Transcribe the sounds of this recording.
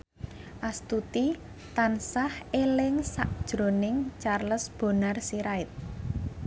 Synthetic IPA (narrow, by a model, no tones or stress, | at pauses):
ʔast̪ut̪i | t̪ansahelɪŋsaʔd̥ʒ̥ɾo̤nɪŋt͡ʃarləsb̥o̤narsiɾaɪt̪̚